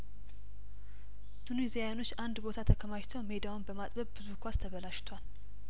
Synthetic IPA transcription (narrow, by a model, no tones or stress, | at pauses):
t̪ʰunizijajano̞t͡ʃːʔand̪bo̞t̪ʰat̪ʰəkʰəmaʃt̪ʰəwme̞d̪awunbəmat̪ʼbəβbɨzukʰʷast̪ʰəβəlaʃt̪ʰwal